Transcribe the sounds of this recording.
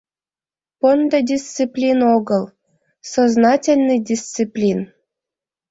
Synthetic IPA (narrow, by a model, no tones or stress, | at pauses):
pond̪ɤ̆dʲist̪t͡sɨplʲinoɡɤlˠ | soznɑtʲelʲnɨjdʲist͡sɨplʲin